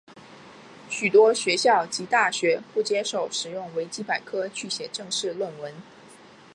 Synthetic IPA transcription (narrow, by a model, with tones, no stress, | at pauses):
ɕy˨˩t̪wɔ˥ɕɥɛ˧˥ɕjɑ˥˩ʊt͡ɕi˧˥t̪a˥˩ɕɥɛ˧˥pu˥˩t͡ɕjɛ˥ʂo˨˩ʊʂɻ̩˨˩jʊ˥˩ŋwe˧˥ɪt͡ɕi˥pa˨˩ɪkʰɤ˥t͡ɕʰy˥˩ɕjɛ˨˩ʈ͡ʂɤ˥˧ŋʂɻ̩˥˧lwə˥˩nwə˧˥n